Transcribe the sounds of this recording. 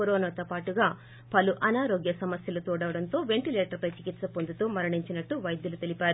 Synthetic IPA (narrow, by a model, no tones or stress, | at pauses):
oɾoːnaːt̪opaːʈuɡaː | pɐluʔɐnaːɾoːɡjɐsɐmɐsjɐlut̪uːɽɐʋɐɽɐnt̪o̞ːʋe̞ɳʈileːʈɐɾpɐjt͡ʃikit̪sɐpond̪ut̪oːmɐɾɐɳiɲt͡ʃinɐʈːuʋɐjd̪jɐlut̪elipaːɾu